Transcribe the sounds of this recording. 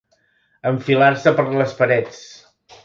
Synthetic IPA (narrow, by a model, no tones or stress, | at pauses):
əɱfilaɾsəpəɾləspəɾɛt͡s